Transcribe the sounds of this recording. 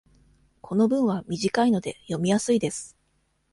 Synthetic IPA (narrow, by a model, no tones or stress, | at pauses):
kʰo̞no̞bɯ̟̃ɰ̃β̞amʲiʑikaino̞d̪e̞jo̞mʲijasɨid̪e̞sɨ̥